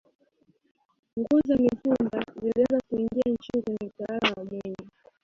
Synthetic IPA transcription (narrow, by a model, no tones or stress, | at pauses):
ŋɡuzamifumbaziliwazakuiŋɡiant͡ʃinikwɛɲɛutawalawaɓɛɲa